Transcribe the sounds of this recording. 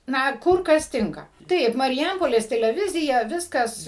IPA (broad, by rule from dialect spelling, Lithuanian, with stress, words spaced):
ˈnɐ ˈkʊr ˈkɐs ˈtʲɪŋkɐ ˈtɐɪp mɐrʲɪˈjɛmpoːlʲeːs tʲɛlʲɛˈʋʲɪzʲɪjɛ ˈʋʲɪskɐs